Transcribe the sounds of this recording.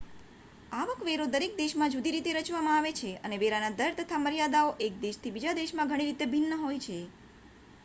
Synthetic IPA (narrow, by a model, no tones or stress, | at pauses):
aʋəkʋeɾod̪əɾek̚d̪eʃmãd͡ʒud̪iɾit̪eɾət͡ʃʋamãaʋet͡ʃʰeəneʋeɾanad̪əɾt̪ət̪ʰaməɾijad̪aoʔek̚d̪eʃt̪ʰibid͡ʒad̪eʃmãɡʱəɽ̃iɾit̪ebʱinːəɦojt͡ʃʰe